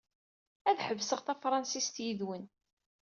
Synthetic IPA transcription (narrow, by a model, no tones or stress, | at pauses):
æðħəvsəʁθæfɾˤɑnsist̪jiðwən